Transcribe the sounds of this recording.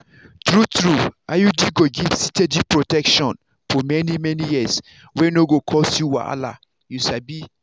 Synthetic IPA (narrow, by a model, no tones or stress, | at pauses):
tɹutɹuajudiɡoɡiv̥sited͡ʒipɹotɛkʃɔ̃n | fɔmɛnimɛnijis | wɛnoɡokʰɔsjuwa̰ʔa̰la̰ | juʃabi